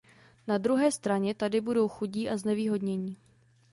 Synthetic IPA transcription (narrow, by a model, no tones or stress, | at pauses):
nad̪ɾuɦɛːst̪ɾaɲɛt̪adɪbudo̞wxuɟiːʔaznɛviːɦo̞dɲɛɲiː